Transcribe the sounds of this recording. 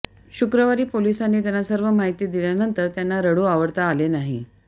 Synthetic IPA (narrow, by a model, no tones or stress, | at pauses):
ɕukɾəʋaɾiːpolisanːiːt̪janːasəɾʋəmaɦit̪iːd̪iljanənt̪əɾt̪janːaɾəɽuaʋəɽt̪aːlenaɦḭ